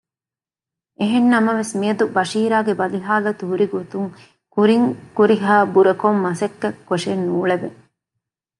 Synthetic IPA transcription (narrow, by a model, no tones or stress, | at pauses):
ʔeɦenːɐmɐʋesmiɐd̪ubɐʃiːɾaːɡebɐliɦaːlɐt̪uɦuɾiɡot̪uŋ | kuɾiŋkuɾiɦaːbuɾɐkomːɐsɐkːɐkːoʂenːuːɭebe